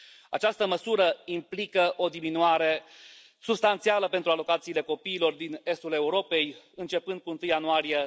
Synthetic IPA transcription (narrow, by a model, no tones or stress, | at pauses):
a̰t͡ʃast̪əməsuɾəimplikəʔo̞d̪iminuaɾe̞ | subst̪ant̪sialəpe̞nt̪ɾualo̞kat̪siːle̞ko̞piːlo̞rd̪ine̞st̪ule̞uɾo̞pe̞j | ɨnt͡ʃe̞pɨnd̪̚kuɨnt̪ɨjanuaɾije